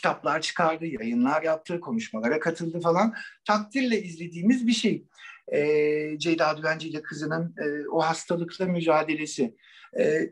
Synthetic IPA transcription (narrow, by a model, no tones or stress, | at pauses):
cʰi̥t̪ʰaplˠaɾt͡ʃʰɯ̥kʰaɾd̪ɯjajɯnlˠaɾjap̚t̪ʰːɯːkʰo̞nuʃmalˠaɾakʰat̪ʰɯlˠd̪ɯfalˠant̪ʰak̚t̪ʰiɾlʲɛizlʲe̞d̪iːmizbiʃejɛːd͡ʒejd̪aːd̪yvænd͡ʒelʲikʰɯzɯnɯnɯːohast̪ʰalˠɯklˠamyd͡ʒaːd̪e̞lʲe̞sɪ | ɛː